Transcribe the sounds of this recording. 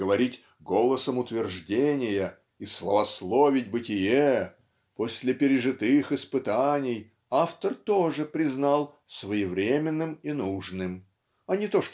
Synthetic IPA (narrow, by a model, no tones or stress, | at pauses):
əvɐɾʲitʲ | ɡolˠəsəmʊt̪vʲɪrʐdʲenʲɪjə | islˠəvɐslˠovʲɪtʲbɨtʲɪje | posʲlʲɪpʲɪɾʲɪʐɨt̪ɨxɨspɨt̪anʲɪj | aft̪ərt̪oʐɨpɾʲɪznalˠ | svəjɪvɾʲemʲɪnːɨminuʐnɨm | ɐnʲɪt̪o̞ʂ